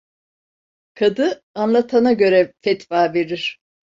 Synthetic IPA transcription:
kʰad̪ɯ | anlˠat̪ʰanaɟø̞ɾɛfɛt̪faːveɾiɾ̥

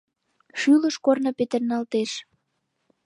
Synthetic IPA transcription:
ʃyləʃkornəpet̪ərnɑlt̪eʃ

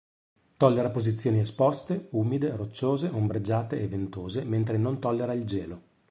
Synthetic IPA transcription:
t̪ɔlːeɾapozit̪sːjoːniespɔst̪euːmid̪erot͡ʃːoːzeʔombɾed͡ʒːaːt̪eːvent̪oːzement̪ɾenont̪ɔlːeɾaild͡ʒɛːlo

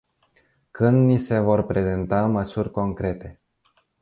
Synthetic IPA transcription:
kɨnd̪nise̞vo̞rpɾe̞ze̞nt̪aməsurʲko̞ŋkɾe̞t̪e̞

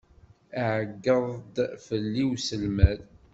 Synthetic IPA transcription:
aʕəɡːəðˤd̪fəlːiwsəlmæð

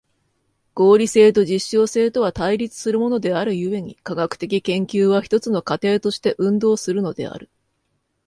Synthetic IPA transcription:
ɡ̥o̞ːɾʲise̞ːt̪o̞ʑiɕːo̞ːse̞ːt̪o̞β̞at̪aiɾʲit͡sɨ̥sɨɾɯ̟mo̞no̞d̪e̞aɾɯ̟jɯ̟e̞ɲ̟ḭkaɡakɯ̟̥t̪e̞k̬ʲikẽ̞ŋkʲɨːβaçi̥t̪o̞t͡sɨno̞kat̪e̞ːt̪o̞ɕi̥t̪e̞ʔɯ̟̃nd̪o̞ːsɨɾɯ̟no̞d̪e̞̰a̰ɾɯ̟

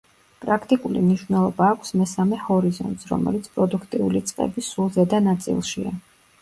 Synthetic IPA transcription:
pʼɾakʰt̪ʼikʼulimniʃvnɛlˠɔbaːkʷʰsmɛsamɛhɔɾizɔ̰nt̪sɾɔ̰mɛ̰lit̪sʰpʼɾɔd̪ukʰt̪ʼiulit̪sʼqʼɛ̰bisulˠzɛd̪anat̪sʼḭlˠʃia̰

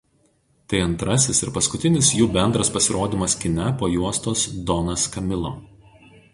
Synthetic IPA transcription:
t̪ɐɪɐnt̪ɾɐsʲɪsɪɾpɐskʊt̪ʲɪnʲɪsjuːbʲɛnd̪ɾɐspɐsʲɪɾoːd̪ʲiːˑmɐskʲɪnʲɛpoːjuɔst̪oːsd̪ɔnɐskɐmʲɪlˠoː

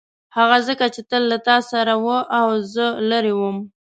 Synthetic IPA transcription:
haɣazəkat͡ʃet̪əlːat̪ɑsaɾawəʔawzəlaɾewəm

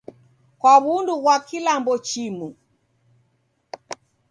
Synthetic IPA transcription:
kwaβunduɣwakilambɔt͡ʃimu

